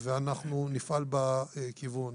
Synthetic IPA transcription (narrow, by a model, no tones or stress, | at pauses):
veanaχnunifʔalbakivun